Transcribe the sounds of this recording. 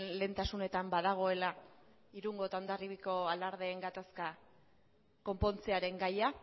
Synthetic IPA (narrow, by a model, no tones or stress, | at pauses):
nle̞ːnt̪asune̞t̪ambaðaɣ̞o̞e̞la | iɾuŋɡo̞t̪awnd̪ariβiko̞alaɾð̞e̞ːŋɡat̪aska | ko̞mpo̞nt͡se̞aɾe̞ŋɡaja